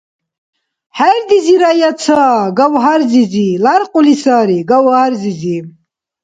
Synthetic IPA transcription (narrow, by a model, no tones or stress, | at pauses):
hɛɾd̪iziɾajat͡sʰaːɡawɦaɾzizilaɾqʼulisaːɾiɡawhaɾzizi